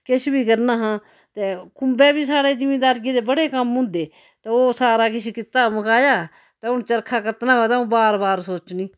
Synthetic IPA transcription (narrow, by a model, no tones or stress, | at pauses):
kɪʃbiːkəɾnaːɦãː | t̪eːkʊmbɛːbiːsaːɽeːd͡ʒɪmeːd̪aːɾɡeːd̪eːbəɽeːkəmɦʊ̃ːnd̪eː | t̪eːoːsaːɾaːkɪʃiːkɪt̪ːaːməkaːjaː | t̪eːʊnt͡ʃəɾkʰaːkət̪nãːbɛːt̪aːũːbaːɾbaːɾsoːt͡ʃnĩː